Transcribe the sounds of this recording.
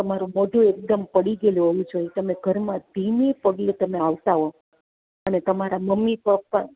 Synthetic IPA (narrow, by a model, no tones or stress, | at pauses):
t̪əmaɾomoɖʱũek̚d̪əmpəɽiɡeloɦoʋũd͡ʒʰoet̪əmeɡʱəɾmãd̪ʱinepəɡlet̪əmeaʋt̪aɦo | ənet̪əmaɾaməmːipəpːa